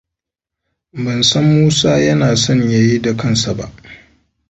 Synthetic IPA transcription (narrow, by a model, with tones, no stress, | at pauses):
bɐ˨nsɐ˦mːuː˦saː˦jɐ˦naː˨sɔ˦˨ɲja˦ji˦da˨kɐ˦nsa˨ba̰˦ʔ